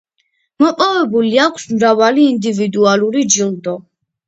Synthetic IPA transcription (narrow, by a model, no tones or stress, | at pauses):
mɔpʼɔvɛbuliakʷʰsmɾavaliːnd̪ivid̪ualuɾid͡ʒild̪ɔ